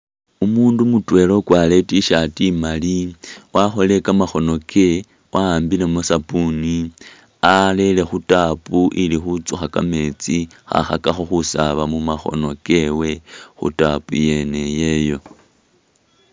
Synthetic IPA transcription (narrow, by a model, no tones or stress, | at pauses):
umuːndumutwe̞lo̞kwale̞tiʃatimaliwʔaxo̞le̞kamaxo̞no̞kʰe̞ | wʔaaːmbile̞mosapuni | ale̞le̞xutapuʔilixut͡suxaka̰me̞t͡si | xa̰xa̰kaxoxusaβamumaxo̞̰no̞ke̞we̞xṵtapuje̞ne̞je̞jo̞